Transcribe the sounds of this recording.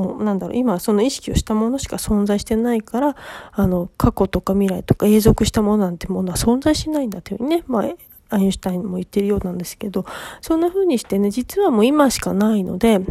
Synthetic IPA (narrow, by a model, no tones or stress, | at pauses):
onãnd̪aɾo̰imaso̞no̞iɕi̥kʲio̞ɕi̥t̪amo̞no̞ɕi̥kasõ̞nd͡zaiɕi̥t̪enaikaɾaːno̞kʰako̞t̪o̞kamʲiɾait̪o̞kae̞ːzo̞kɯ̟ɕi̥t̪amo̞no̞nãnt̪eɯmo̞no̞asõ̞nzaiɕi̥t̪enaĩnd̪at̪ːehɯ̟̰ɲʲine̞ma | aĩsɨ̥t̪aĩɲmo̞it̪ːeɾɯjo̞ːnãnd̪e̞sɨ̥ke̞d̪o̞sõ̞nːaɸɯ̟ːɲ̟iɕi̥t̪e̞ne̞d͡ʑit͡sɨβamo̞ːimaɕi̥kanaino̞̰d̪e̞